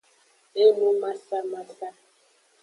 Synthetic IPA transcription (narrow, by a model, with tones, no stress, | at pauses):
e˦mu˦ma˦sa˦ma˦sa˦